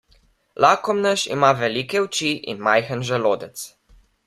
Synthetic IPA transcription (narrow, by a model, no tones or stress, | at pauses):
lʔakɔmnəʃḭmaʋɛlikɛwt͡ʃiʔḭnmajxənʒɛloːd̪ɛt̪s